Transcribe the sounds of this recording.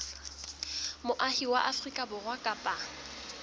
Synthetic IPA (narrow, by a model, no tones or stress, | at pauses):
mʊʔahiwaʔafrikʼabʊrwakʼapʼa